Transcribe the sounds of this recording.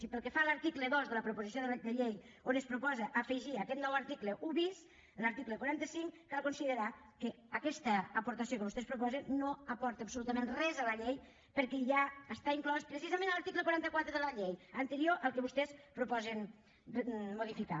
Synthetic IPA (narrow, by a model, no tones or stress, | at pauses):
ipəlˠkəfaləɾt̪ikləðozðələpɾupuzis̬ioðəd̪əʎej | onəspɾupɔzəʔːfəʒiakɛt̪nɔwəɾt̪ikləʔuβis | ləɾt̪ikləkwaɾant̪əsiŋkalˠkonsiðəɾa | kəːkɛst̪əːpuɾt̪asjokəβust̪ɛspɾupɔzənːoəpɔɾt̪əːpsulut̪əmẽnrɛzələʎej | pəɾkɛʒaəst̪aiŋklɔspɾəsizəmẽnəlɐɾt̪ikləkwaɾant̪əkwat̪ɾəðələʎejənt̪əɾioʔəlˠkəβust̪ɛspɾupɔzən | moðifika̰